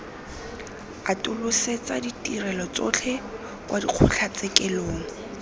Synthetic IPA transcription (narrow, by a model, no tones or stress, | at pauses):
atʼʊlʊset͡saditʼirɛlɔt͡sot͡ɬʰɛ | wʔadiq͡χʰʊɬʰat͡sɛkɛloːŋ̩